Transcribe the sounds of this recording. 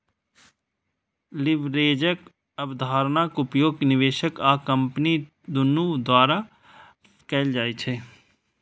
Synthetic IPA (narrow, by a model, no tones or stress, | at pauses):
lɪʋɾeːd͡ʒək | əbd̪ʱaːɾnakʊpjoːɡnɪʋeːʃəkaːkə̃mpni | d̪ʊnud̪waːɾa | kɛːld͡ʒaːet͡ʃʰɛː